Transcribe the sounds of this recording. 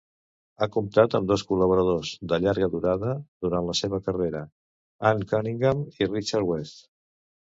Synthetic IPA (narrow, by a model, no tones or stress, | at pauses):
akumt̪at̪əmd̪ɔskuləβuɾəð̞ozðəʎaɾɣəðuɾaðəðuɾanləseβ̞əkəreɾə | aŋkaniŋɡamirit͡ʃaɾwɛst̪